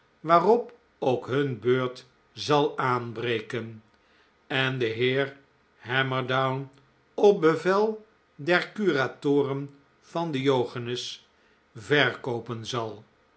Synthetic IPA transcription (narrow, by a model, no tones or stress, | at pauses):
ʋaːrɔp | owkɦɵnbøːɹt | zɑlˠaːnbrejkən | ɛndəɦɪːɹ | hɛməɹdawn | ɔp̚bəvɛlˠ | dɛɹkyratʊːrən | v̥ɑndəjowχanəs | vɛɹkowpənzɑlˠ